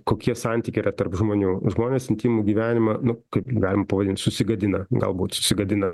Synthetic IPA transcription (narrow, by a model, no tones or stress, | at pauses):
koːkʲiɛsɑnʲt̪ʲikʲɪiːrɐt̪ɐrpʒmoːnʲuːʒmoːnʲesɪnʲt̪ʲiːmʊɡʲiːʋʲæːnʲɪmɐnʊkɐɪpɡɑːlʲɪmɐpɐʋɐd̪ʲɪnt̪sʊsʲɪɡɐd̪ʲɪnɐɡɐ̰lˠbuːt̪sʊ̥sʲɪɡɐd̪ʲɪnɐ